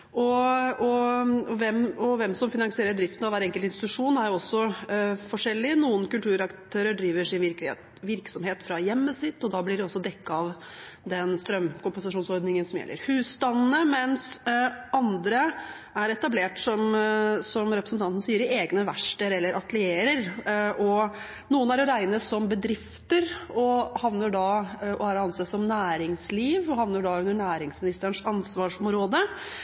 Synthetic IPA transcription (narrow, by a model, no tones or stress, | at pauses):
ʔɔɔɔʋɛmɔʋɛmsɔmfɪnɑŋsɪeːɾəɖɾɪft̪nɑʋæːɾɛŋkəlt̪ɪnst̪ɪt̪ʉʂuːnæɾjʊɔsːɔfɔʂɛlːɪnuːənkʉlt̪ʰʉːɾɑkt̪ʰøːɾəɖɾiːʋəʂɪnʋɪɾ | ʋɪɾksɔmheːt̪fɾɑjɛmːəsɪt̪ːɔd̪ɑːblɪɖɛɔsːɔd̪ɛkːɑɑʋ | d̪ɛnst̪ɾœmːkʊmpɛnsɑʂuːnsɔɾd̪nɪŋənsɔmjɛ̰lːə̰ɾhʉːst̪ɑnnəmɛnsɑnd̪ɾə | æɾɛt̪ɑbleːʈsɔmsɔmɾɛpɾəsənt̪ʰɑnt̪nəsiːəɾɪeːɡnəʋæʂʈəɾɛlːəɾʔɑt̪lɪeːɾəɾʔɔ | nuːənæɾɔɾæɪnəsɔmbəd̪ɾɪft̪əɾɔhɑʋnəɖɑʔɔæɾɑnseːsɔmnæːɾɪŋsliːʋɔɦɑʋnəɖɑʉnd̪əɳæːɾɪŋsmɪnɪst̪əəɳʂɑnsʋɑːʂɔmɾoːd̪ə